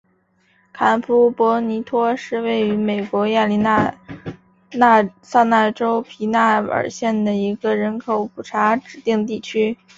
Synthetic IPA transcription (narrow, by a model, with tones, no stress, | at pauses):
kʰa˧˥npʰu˥pwɔ˧˥ni˧˥t̪ʰwɔ˥ʂɻ̩˥˧we˥˩ɪy˧˥me˨˩ɪkwɔ˧˥ja˥˩li˧˥na˥˧˥ | sa˥˧na˥˩ʈ͡ʂo˥ʊpʰi˧˥na˥˩ə̰˨˩ɕjɛ˥˩nd̪ə˩i˧˥ɡə˧ɻə˧˥nkʰo˨˩ʊpʰu˨˩ʈ͡ʂʰa˧˥ʈ͡ʂɻ̩˨˩t̪i˥˧ŋt̪i˥˩t͡ɕʰy˥